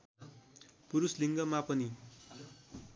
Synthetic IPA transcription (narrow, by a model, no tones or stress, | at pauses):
puɾusliŋɡʌmapʌni